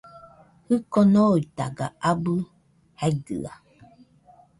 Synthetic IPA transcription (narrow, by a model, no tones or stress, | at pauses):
hɨkonoit̪a̰ɡa̰abɨ | haiɡɯ̰a̰